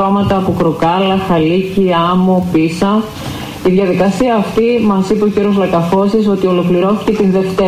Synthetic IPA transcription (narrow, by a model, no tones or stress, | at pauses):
omɐt̪ɐːpokɾokɐlɐxɐliciɐmopisɐ | iðʝɐðikɐsiɐːft̪imɐsipeo̞ciɾio̞zlɐkɐfo̞siso̞t̪io̞lo̞kliɾo̞θi̥ce̞t̪inðe̞ft̪e